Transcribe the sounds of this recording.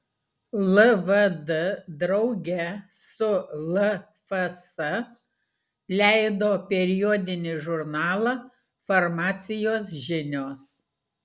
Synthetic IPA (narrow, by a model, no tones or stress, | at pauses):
lˠɐʋɐd̪ɐd̪ɾɒʊɡʲɛ | sʊlˠɐ | fɐsɐ | lʲæˑɪd̪oːpʲɛɾʲɪjɔːd̪ʲɪnʲɪʒʊɾnɑːlˠɑ | fɐɾmɑːt̪sʲɪjoːsʒʲɪnʲoːs